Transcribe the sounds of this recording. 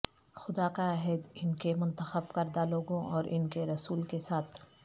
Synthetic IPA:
xʊd̪akaaːɦɪd̪ɪnkemʊ̃nt̪əxəbkɐɾd̪aloːɡõʔɔːɾʔɪnkeɾɐsuːlkesaːt̪ʰ

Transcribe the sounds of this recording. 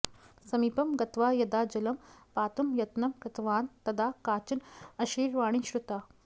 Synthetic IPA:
sɐmiːpɐmɡɐt̪ʋaːjɐd̪aːd͡ʒɐlɐmpaːt̪umjɐt̪nɐmkɐt̪ʋaːnt̪ɐd̪aːkaːt͡ʃɐnɐʃiːɾʋaːɳ̃iʃɾut̪aː

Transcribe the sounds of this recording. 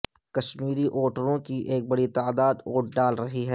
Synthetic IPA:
kɐʃmiːɾiʔoːʈəɾõkiʔeːk̚bɐɽit̪aːd̪aːd̪oːʈ̚ɖaːlɾɐɦiɦɛː

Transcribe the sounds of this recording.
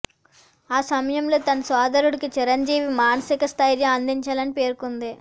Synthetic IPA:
aːsɐmɐjɐmlo̞ːt̪ɐnɐsaːd̪ɐɾuɽikit͡ʃiɾɐɲd͡ʒiːʋimaːnɐsikɐst̪ʰaːjlɐɐnd̪iɲt͡ʃaːlɐnipeːɾkund̪i

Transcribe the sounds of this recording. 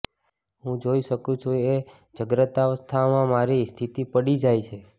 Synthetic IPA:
ɦũd͡ʒoiʃəkũt͡ʃʰue | d͡ʒəɡɾət̪aʋəst̪ʰamãmaɾist̪ʰit̪ipəɽid͡ʒajt͡ʃʰe

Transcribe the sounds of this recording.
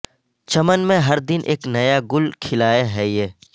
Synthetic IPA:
t͡ʃɐmənmẽɦɐɾd̪ɪnʔḛːknɐjaɡʊlkʰɪlaːeɦɛjeː

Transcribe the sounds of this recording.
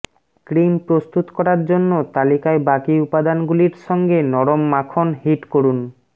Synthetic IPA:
kɾimpɾost̪ut̪kɔɾaɾd͡ʑonːot̪alikaebakiupad̪anɡuliɾʃɔŋɡenɔɾomːakʰonɦiʈkoɾun

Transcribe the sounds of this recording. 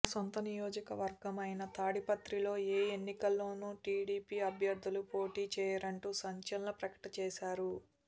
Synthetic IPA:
sɔnt̪ɐnijoːd͡ʒɐkɐʋɐɾɡɐmɐjnɐt̪aːɽipɐt̪ɾilo̞ːeːenːikɐlːo̞ːnuːʈiːɽiːpiːɐbʱjɐɾd̪ʱːulupo̞ːʈiːt͡ʃɛːjaɾɐɳʈuːsɐɲt͡ʃɐlɐnɐpɾɐkɐ̥ʈɐt͡ʃɛːʃaːɾu

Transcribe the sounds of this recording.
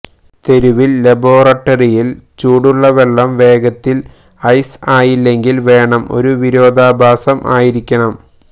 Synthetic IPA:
t̪e̞ɾuʋilːɐbo̞ːrɐʈːɐrijilt͡ɕuːɽuɭːɐʋeɭːɐmʋe̞ːɡɐt̪ːil | ɐjsaːjilːe̞ŋɡilʋe̞ːɳɐmo̞̰ɾuʋiɾo̞ːd̪ʱaːbʱaːsɐmʔa̰ːjiɾikʲːɐɳɐm

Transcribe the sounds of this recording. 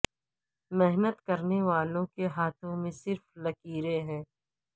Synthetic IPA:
mɛɦnət̪kɐɾneʋaːlõkeɦaːt̪ʰõmẽsɪɾflɐkiːɾeɦɛ̃ː

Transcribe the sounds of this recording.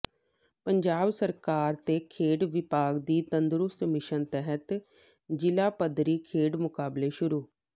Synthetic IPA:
pəɲd͡ʒaːbsəɾkaːɾt̪eːkʰeːɖʋɪpaːɡd̪iːt̪ənd̪ɾʊst̪mɪʃənt̪ɛɦət̪ | d͡ʒɪlaːpəd̪ɾiːkʰeːɖmʊkaːbleːʃʊɾuː

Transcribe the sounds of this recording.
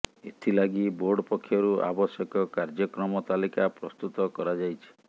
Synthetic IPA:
et̪ʰilaɡiboɾɖɔpɔkʰːjɔɾuʔa̰bɔsjɔkɔkaɾd͡ʒɔkɾɔmɔt̪alikapɾɔst̪ut̪ɔkɔɾad͡ʒajt͡ʃʰi̥

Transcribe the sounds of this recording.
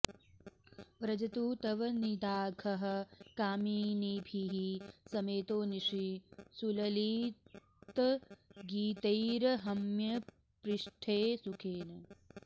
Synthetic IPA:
ʋɾɐd͡ʒɐt̪uːt̪ɐʋɐnid̪aːɡʰʱɐɦɐ̆kaːmiːnibʱiɦisɐmeːt̪oːniʂisulɐliː | t̪ɐɡiːt̪ɐjɾɐɦɐmjɐ | pɾiʂʈʰeːsukʰeːnɐ

